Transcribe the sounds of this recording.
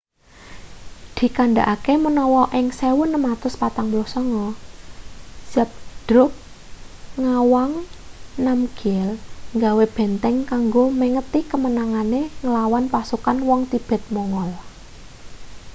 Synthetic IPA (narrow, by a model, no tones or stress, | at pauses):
d̪̥i̤kaɳɖaʔakemənɔwɔʔɪŋsewʊnːəmat̪ʊspat̪aŋblɔhsɔŋɔ | sap̚d̪̥ɾʊp̚ | ŋawaŋnamɡ̥iɛlŋɡaweb̥ɛ̤nt̪ɛŋkaŋɡoməŋət̪ikəmənaŋaneŋəlawanpasukanwɔŋt̪ib̥ɛ̤t̪̚mɔŋɔl